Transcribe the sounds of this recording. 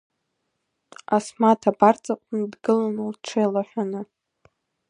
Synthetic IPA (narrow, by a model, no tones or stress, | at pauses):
asmatʰabart͡sʼaqʷʼʊndɡɨlanulʈ͡ʂʰejlaħʷᶣanɨ